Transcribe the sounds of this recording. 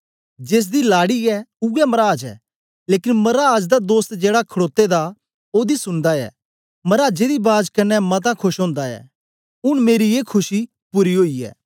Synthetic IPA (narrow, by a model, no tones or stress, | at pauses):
d͡ʒeːs̬d̪ilaːɽiɛʊɛmɐɾaːd͡ʒɛ̰ː | leːkɪnmɐɾaːd͡ʒd̪ad̪oːst̪d͡ʒeːɽakʰɐɽoːt̪ed̪a | oːd̪isʊnd̪aɛ̰ː | mɐɾaːd͡ʒed̪ibaːd͡ʒkɐnɛmɐt̪̬akʰʊʃɦõːnd̪aɛ̰ | ʊɽ̃meːɾieːkʰʊʃi | pʊɾiɦoːiɛ̰ː